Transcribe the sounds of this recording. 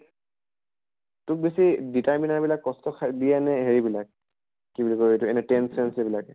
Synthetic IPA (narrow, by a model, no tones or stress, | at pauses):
tʊk̚besiditaɹminaɹbilakːɔstɔkʰadijanɛɦeɹibilak̚ː | ibilikoetuɛnɛtɛnsɔnsɛbilakɛ